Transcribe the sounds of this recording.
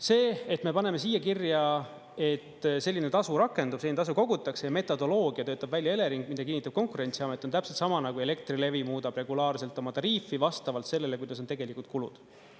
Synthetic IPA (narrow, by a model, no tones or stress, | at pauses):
se̞ːet̪ːˑme̞pɑne̞me̞siːjːɑkirjɑ | e̞t̪ːse̞lʲːine̞t̪ɑsuɾɑkːˑe̞nd̪ub̥seːint̪ɑs̬uko̞ɡ̥ut̪ːˑɑkse̞jɑme̞t̪ːˑo̞d̪̥o̞lo̞ːɡ̥iɑt̪øːt̪ːˑɑb̥vælʲjɑe̞le̞ɾiŋɡ̥̚mid̪ɑkinːit̪ːˑɑb̥̚ko̞ŋkuɾe̞nʲt̪siɑme̞t̪ːˑont̪æpset̪sɑmɑnɑkue̞le̞k̚t̪rile̞vimuːd̪̥ɑb̥re̞ɡulɑːrse̞lt̪ːˑo̞mɑt̪ɑɾiːfːivɑst̪ɑvɑlt̪se̞lːe̞le̞kujd̪ɑs̬ot̪e̞ɡ̥e̞likːˑult̪̚kulṵd̪̥